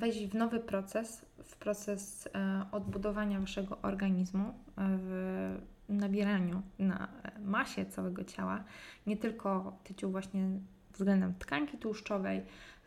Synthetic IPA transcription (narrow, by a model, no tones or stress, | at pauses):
vɛʑʲivnɔvɘpɾɔt̪sɛs | fpɾɔt̪sɛsɔd̪bud̪ɔvaɲavaʂɛɡɔʔɔɾɡaɲizmuv | nabʲjɛɾaɲuna̰maɕɛt̪sawɛɡɔt͡ɕawa̰ɲɛt̪ɘlkʰɔt̪ɘt͡ɕuvwaɕɲɛ | vzɡlɛnd̪ɛmt̪kaŋkʲit̪uʂt͡ʂɔvɛj